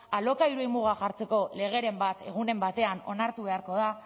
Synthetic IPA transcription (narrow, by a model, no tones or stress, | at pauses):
alo̞kaiɾuimuɣ̞aʝaɾt͡se̞ko̞le̞ɣe̞ɾe̞mbat̪e̞̰ɣ̞une̞mbat̪e̞ano̞̰naɾt̪uβe̞aɾko̞ð̞a